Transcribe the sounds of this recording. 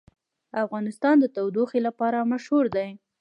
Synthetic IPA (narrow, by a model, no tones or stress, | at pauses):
afɣɑnɪst̪ɑnd̪ət̪awd̪uxelapɑɾamaʃhuɾd̪aj